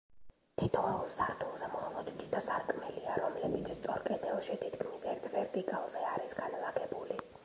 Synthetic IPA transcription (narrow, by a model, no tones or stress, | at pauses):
t̪ʰit̪ʰɔulˠsaɾt̪ʰulˠzɛmχɔlˠɔd̪t̪ʰi̥t̪ʰɔsaɾkʼmɛliaɾɔmlɛbit̪sʰst̪sʼɔɾkʼɛd̪ɛlˠʃit̪ʰit̪ʰkʰmisɛɾt̪ʰvɛɾt̪ʼikʼalˠz̥ɛaɾisɡanlˠaɡɛbuli